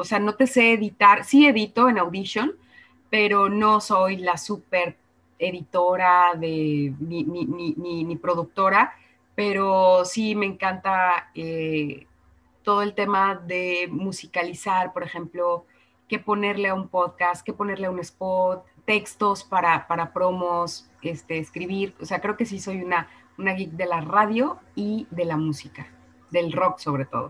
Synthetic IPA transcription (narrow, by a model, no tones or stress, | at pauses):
ose̞ano̞t̪e̞se̞ːðit̪aɾsie̞ðit̪o̞e̞nawðisjo̞n | pe̞ɾo̞no̞so̞jlasupe̞ɾ | eðit̪o̞ɾaðe̞nininininipɾo̞ðuk̚t̪o̞ɾa | pe̞ɾo̞sime̞ːŋkant̪ae | t̪o̞ðo̞e̞lt̪e̞maðe̞musikalisaɾpo̞ɾe̞xe̞mplo̞ | ke̞po̞ne̞ɾle̞aumpo̞ðkast̪̚ke̞po̞ne̞ɾle̞aune̞spo̞ɾt̪̚ːe̞kst̪o̞spaɾapaɾapɾo̞mo̞s | e̞st̪e̞ːskɾiβiɾose̞akɾe̞o̞ke̞s̬iso̞juna | unaɣikd̪e̞laraðjo̞iðe̞lamusika | ðe̞lro̞kso̞β̞ɾe̞t̪o̞̰ðo̞̰